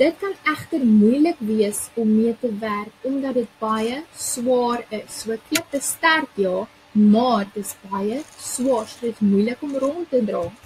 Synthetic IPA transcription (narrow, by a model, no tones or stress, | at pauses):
d̥ət̚kɐnæχtərmujləkviəsɔmːiətəværkɔmdɐdət̚b̥ɐjəswɑːrəsːuəkiəpbəstærtjɑː | mɑːrdəsbɐjəswɑːrsəsmujləkɔmrɔntədrɑː